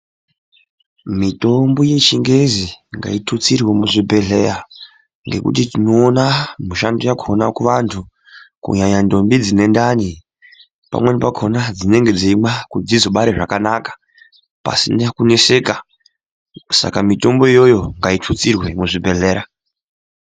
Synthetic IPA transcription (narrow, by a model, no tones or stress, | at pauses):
mito̞mbo̞je̞t͡ʃiŋɡe̞ziŋɡa̰itʰut͡sirwemuʐibʱe̞ɮe̞ɾa | ŋɡe̞̰kṵtitino̞ːnamuʃandojakʰo̞nakuʋantʰu | kṵɲaɲando̞mbid͡zine̞ndani | pa̰mwe̞nipakʰonad͡zine̞ŋɡe̞d͡ziimwakud͡zizoɓaɾeʐakanakḁ | pa̰sinakune̞se̞ka | sa̰kamito̞mbo̞ijo̞jo̞ŋɡaitʰut͡sirwe̞muʐibʱe̞ɮe̞ːɾa